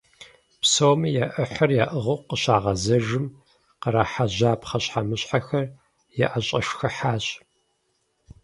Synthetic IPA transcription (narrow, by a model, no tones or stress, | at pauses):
psowmijaʔɨħɐrjaːʔɨʁowqəɕaːʁɐzɐʒɨm | qəɾaħaʑaːpχɐɕħamɨɕħaxɐr | jɛ̰ʔɐɕʼɐʂxɐħaːɕʼ